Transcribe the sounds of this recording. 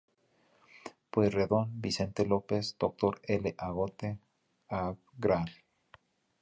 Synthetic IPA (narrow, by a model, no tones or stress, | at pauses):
pwesreðonbisent̪elopesd̪̥ok̚t̪oɾeleʔaɣot̪e | a | ɡɾal